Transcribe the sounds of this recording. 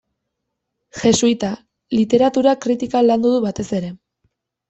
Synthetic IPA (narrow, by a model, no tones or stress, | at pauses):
ʝe̞sujt̪a | lit̪e̞ɾat̪uɾakɾit̪ikaland̪uðuβat̪e̞se̞ɾe̞